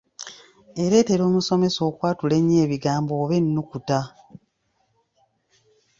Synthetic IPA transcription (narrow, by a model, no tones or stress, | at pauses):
e̞ɾe̞ːte̞ɾo̞ːmuso̞me̞so̞ːkwaːtule̞ɲːeːβiɡaːmboːβenːukuta